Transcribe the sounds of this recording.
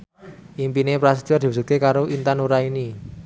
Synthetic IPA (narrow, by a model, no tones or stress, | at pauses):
ʔimpinepɾas̬id̪iard̪i̤busut̪̚kekaɾoʔint̪anuɾaini